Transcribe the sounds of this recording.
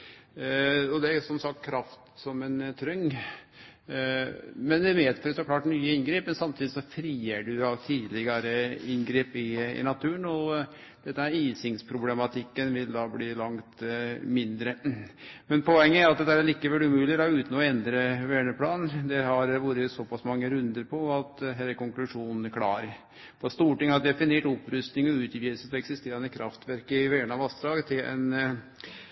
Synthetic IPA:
ɔd̪ɛæɾsɔmsɑk̚t̪kʰːɾɑft̪sɔmɛnt̪ʰɾœŋː | mɛnɛmeːd̪føɾsɔkʰlɑːʈnyːəɪnɡɾeːpmɛnsɑmt̪iːd̪ɪsɔfɾiːəɖʉɑt̪ʰiːlɪɡɑɾəɪnɡɾeːpɪɪ̰nɑt̪ʰʉːəɳɔ | d̪̥ɛt̪ːəmɛɾiːsɪŋspʰɾʊblɛmɑt̪ʰɪkːənʋɪld̪ɑːbliːlɑŋt̪mɪnd̪ɾə | mɛnpʰɔɛŋːəæɾɑt̪̚d̪ɛt̪ːæɾæɭiːkːəʋɛlʉmʉːlɪɾɑʉːt̪n̩ɔɛnd̪ɾəʋɛːɳəpʰlɑːnd̪ɛhɑɾʋuːɾəsɔpɑsmɑŋːəɾʉnd̪əɾpʰɔɑt̪ɦɛlːəɾkɔŋklʉʂuːnnkʰlɑ̰ːɾə | pʰɔst̪uːʈɪŋhɑd̪ɛfɪneːʈɔpːɾʉst̪nɪŋɔʉːt̪ʋiːsəsɔɛksɪst̪eːɾənəkʰɾʔɑft̪ʋæɾkəɪʋɛːəɳɑʋɑst̪ɾɑːɡt̪ʰɪlʔɛ̰n

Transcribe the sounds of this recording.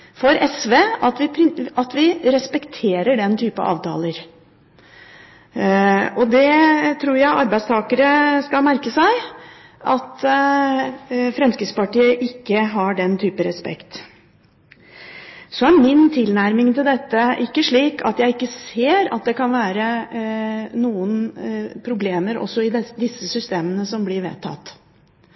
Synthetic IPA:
fɔɾɛsʋeʔɑt̪ʋɪɑt̪ʋɪɾɛspɛkt̪ʰeːɾəɖɛnt̪ʰyːpə̰ʔɑ̰ːʋt̪ʰɑ̰ːləɾ | ɔd̪ɛt̪ʰɾuːɾjæɪʔɑɾbæɪst̪ʰɑːkəɾəskɑlmæɾkəsæɪ | ʔɑt̪ | fɾɛmskɾɪt̪spɑʈiːəʔɪkːəɦɑɖɛnt̪ʰyːpəɾɛspɛ̰kt̪ | sɔæɾmɪnt̪ʰɪlnæɾmɪŋt̪ɪld̪ɛt̪ːəʔɪkːəʂɭiːkɑ̰t̪jæɪɪkːəseːɾɑ̰t̪̚d̪ɛkʰɑnʋæːɾə | nuːənpʰɾʊbleːməɾɔ̰sːɔɪɛd̪ɪsːəsʏst̪eːmənəsɔmblɪɾʋḛːt̪ʰːɑ̰t̪ː

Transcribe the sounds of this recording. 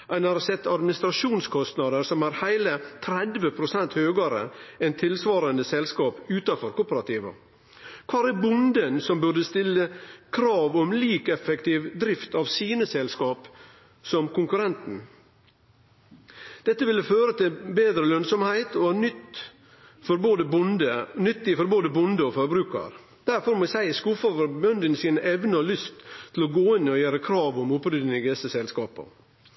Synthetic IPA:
ʔæɪnɑɾsɛt̪ːɑd̪mɪnɪst̪ɾɑʂuːnskʰɔst̪nɑd̪əɾsɔmæɾhæɪlət̪ʰɾɛd̪ʋəpʰɾʊsɛnt̪høːɡɑɾə̰ɛnt̪ʰɪlsʋɑːɾɑnd̪əsɛlskɑːpʉːt̪ɑfɔɾkʊpəɾɑt̪iːʋə̰ | kʰʋɑːɾæɾbʊnd̪ənsɔmbʉɖəst̪ɪlːəkʰɾɑːʋɔmliːkɛfːəkt̪ɪːʋd̪ɾɪft̪ɑʋsiːnəsɛlskɑːp | sɔmkʊŋkʉɾɛnt̪n̩ | d̪̥ɛt̪ːəʋɪlːəføːɾət̪ʰɪlbeːd̪ɾəlœnsɔmhæɪt̪ɔʋɑnʏt̪ | fɔɾboːd̪əbʊnd̪ənʏt̪ːɪfɔɾboːd̪əbʊnd̪əɔfɔɾbɾʉːkɑ̰ɾ | d̪æɾfɔɾmɛsæɪskʊfɑfɔɾbœnd̪ənsiːnəʔɛʋnəɔlʏst̪ʰːɪlɔɡoːɪnːɪɔjæːɾəkʰɾɑːʋɔmʊpɾʏd̪nɪɪɡɛsəsɛlskɑːpə̰

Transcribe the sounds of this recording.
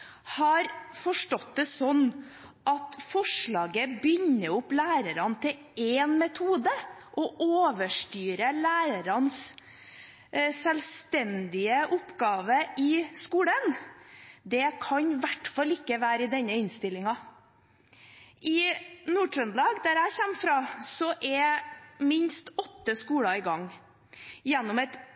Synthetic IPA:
hɑɾfɔʂʈɔt̪̚d̪ɛsɔnː | ʔɑt̪fɔʂɭɑːɡəbʏɲːəʊplæːɾəɾɑnt̪ʰɪl | ɛːnmɛt̪ʰuːd̪əʔɔʔoːʋəʂʈyːɾəlæːɾəɾɑns | sɛlst̪ɛnd̪ɪəʔʊpɡɑːʋəɪskuːɽən | d̪ɛkʰɑɲʋæʈfɑlɪkːəʋæːɾɪd̪ɛnːəɪnst̪ɪlːɪŋɑ | ʔɪnuːʈʰɾœnlɑːɡd̪æɾæɪçɛmfɾɑːsɔʔɛmɪnst̪ɔt̪ːəskuːɽɑɪɡɑŋː | jɛnːɔmɛt̪

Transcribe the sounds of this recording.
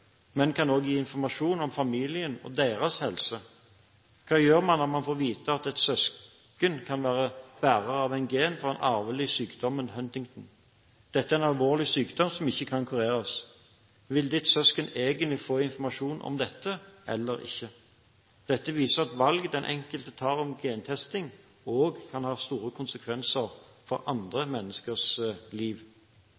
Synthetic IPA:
mɛnkʰɑnoːɡjiːɪnfɔʁmɑʂuːnɔmfɑmiːlɪənɔ̰d̪eːʁɑshɛlsə | kʰɑːjøːʁmɑnːɔʁmɑnfoːʁʋiːt̪əɑt̪ɛt̪sœs | kənkʰɑnʋæːʁəb̥æːʁəʁɑʋæɪnɡeːnfɔʁɛnʔɑʁʋəlɪsyːkd̪ɔmənhœnt̪ɪŋt̪n̩ | d̪̥ɛt̪ːəæɛɪnɑlʋoːʁlɪsyːkd̪ɔmsɔmɪçːəkʰɑnkʰʉʁeːɾɑs | ʋɪld̪ɪt̪sœskəneːɡənɪfoːɪnfɔʁmɑʂuːnʔɔ̰md̪ɛt̪ʰːəʔɛ̰lːəɾɪ̰çːə | d̪̥ɛt̪ːəʋiːsəʁɑt̪ʋɑlɡd̪ɛnʔɛ̰ŋkəlt̪ət̪ʰɑːʁɔmɡeːnt̪ʰɛst̪ɪŋ | oːɡkʰɑnhɑːst̪uːɾəkʰʊnsəkʰʋɛnsəɾfɔɾʔɑnd̪ʁəmɛnːəskəʁsliːʋ

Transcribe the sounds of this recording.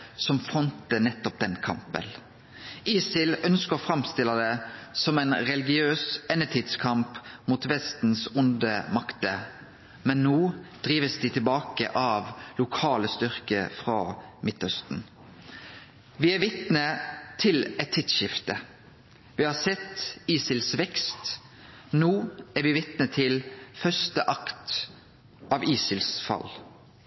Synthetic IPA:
sɔmfɑnt̪ənɛt̪ːɔp̚d̪ɛnkʰɑ̰mpə̰n | iːsɪlœnskəɔfɾɑmst̪ɪlːəd̪ɛsɔmɛnɾɛlɪɡɪøːsɛnːət̪ʰiːd̪skʰɑmpmuːt̪ʋɛst̪n̩sʊnd̪əmɑkt̪ə | mɛnːoːd̪̥ɾiːʋəsd̪ɪt̪ʰɪlbɑːkə̰ʔɑʋlʊkʰɑːləst̪ʏʁkə̰fʁɑmɪt̪œst̪n̩ | ʋɪæʋɪt̪nət̪ʰɪlɛt̪ʰːɪt̪ʃɪft̪ə | ʋɪhɑsɛt̪iːsɪlsʋɛkst̪ | noːæɾʋɪʋɪt̪nət̪ʰɪlfœst̪əʔɑkt̪ | ʔɑːʋiːsɪlsfɑ̰l

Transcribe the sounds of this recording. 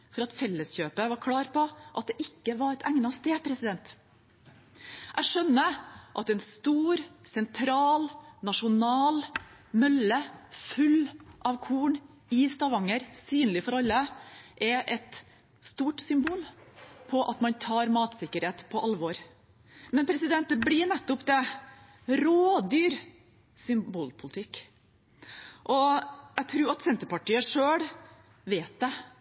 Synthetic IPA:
fɔɾɑt̪fɛlːəsçøːpəʋɑɾkʰɽɑːɾpɔʔɑt̪̚d̪ɛʔɪkːəʋɑɾɛt̪ʰæŋnɑst̪eːpʰɾɛsɪd̪ɛnt̪ | ʔæʂœnːəʔɑt̪ɛnst̪uːɾsɛnt̪ʰɾɑːlnɑʂʊnɑːlmœləfʉlʔɑʋkʰuːɳ | ɪst̪ɑʋɑŋːəɾsyːnlɪfɔɾɑlːəʔɛʔɛt̪ | st̪uːʈsʏmbuːlpʰɔʔɑt̪mɑnt̪ʰɑːɾmɑːt̪sɪkːəɾheːt̪pʰɔʔɑlʋɔɾ | mɛnpʰɾɛsɪd̪ɛnt̪əbɽɪɳɛt̪ːʊpd̪ɛ | ɾoːd̪yːɾ | sʏmbuːlpʰʊlɪt̪ʰɪkː | ʔɔæt̪ʰɾuːɾɑt̪sɛnt̪əɾpɑʈiːəʂøːɽ | ʋeːt̪̚d̪ɛ

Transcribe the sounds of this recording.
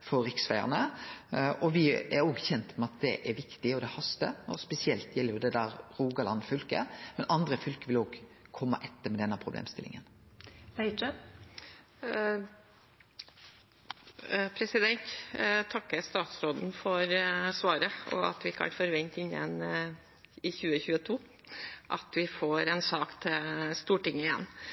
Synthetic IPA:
fɔɾɪksʋæɪə̰nə | ʔɔʋɪɛɾoːɡçɛnt̪mɛɑt̪̚d̪ɛʔɛɾʋɪkt̪ɪɔd̪ɛhɑst̪əɔspɛsɪɛlt̪jɛlːəɾjʊd̪ɛd̪æːɾɾuːɡɑlɑnfʏlkə̰mɛnɑnd̪ɾəfʏlkəʋɪloːɡkʰɔmːə̰ʔɛt̪ːəɾmɛd̪ɛnːəpʰɾʊblḛːmst̪ɪlʔɪ̰ŋənpɛɪə | pʰɾɛsɪd̪ɛnt̪t̪ʰɑkːəɾst̪ɑːt̪sɾoːd̪n̩fɔɾsʋɑːɾəɔ̰ɑ̰t̪ʋɪkʰɑ̰nfɔɾʋɛnt̪ɪnjə̰n | ɪçʉːəçʉːət̪ʰuː | ʔɑ̰t̪ʋɪfoːɾɛnsɑːkt̪ʰɪlst̪uːʈɪŋːəɪjɛ̰nː

